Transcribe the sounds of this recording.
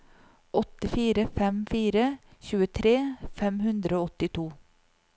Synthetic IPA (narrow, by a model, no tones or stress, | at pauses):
ʔɔt̪ɪfiːɾəfɛmfiːɾəçʉːət̪ʰɾeːfɛmhʉnd̪ɾəoːɔt̪ɪt̪ʰuː